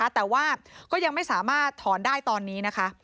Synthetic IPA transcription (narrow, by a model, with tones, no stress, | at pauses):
a˦˥t̪ɛː˨˩waː˥˩kɔː˥˩ja˧ŋma˥˩jsaː˩˦maː˥˩t̪ʰːɔː˩˦ndaː˥˩jt̪ɔː˧nːiː˦˥na˦˥kʰa˦˥ʔ